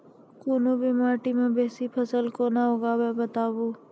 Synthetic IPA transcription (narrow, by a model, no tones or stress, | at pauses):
koːnobʱimaːʈimẽbɛːsipʰəsəlkoːnaɦoːɡaːbebət̪aːboː